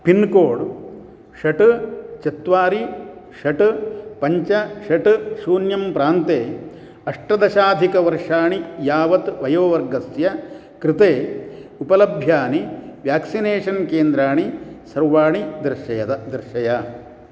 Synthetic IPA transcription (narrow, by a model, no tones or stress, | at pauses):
pinkoːɽ | ʂɐʈt͡ʃɐt̪ʋaːɾiʃɐʈpɐɲt͡ʃɐʃɐʈɨsuːnjɐmpɾaːnt̪eː | ɐʂʈɐd̪ɐʃaːd̪ʱikɐʋɐɾʂaːɳijaːʋɐt̪ʋɐjoːʋɐɾɡɐsjɐ | kɾɪt̪eːupɐlɐbʱjaːniʋjaːksineːʂɐnkeːnd̪ɾaːɳisɐɾʋaːɳid̪ɾɐʃɐjɐt̪d̪ɾʃɐja